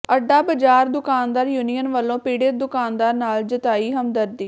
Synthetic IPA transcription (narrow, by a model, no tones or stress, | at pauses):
əɖːaːbəd͡ʒaːɾd̪ʊkaːnd̪aːɾjuːnijənʋəlːõːpiːɽɪd̪ʊkaːnd̪aːɾnaːld͡ʒət̪aːiːɦəmd̪əɾd̪iː